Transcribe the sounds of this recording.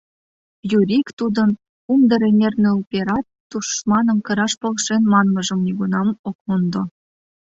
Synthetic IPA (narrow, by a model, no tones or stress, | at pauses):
juɾʲikt̪ud̪ən | umd̪əɾenʲernø̆upʲeɾɑt̪ːuʃmɑnə̆mkɤ̆ɾɑʃpɤ̆lʃenmɑnmɤ̆ʒə̆mnʲeɡunɑmokund̪o